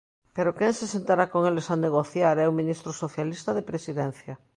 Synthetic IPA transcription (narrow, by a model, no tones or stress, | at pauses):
peɾokeŋsesent̪aɾakoŋelesaneɣ̞oθjaɾɛuŋmĩnist̪ɾosoθjalist̪aðepɾesiðɛ̃n̟θja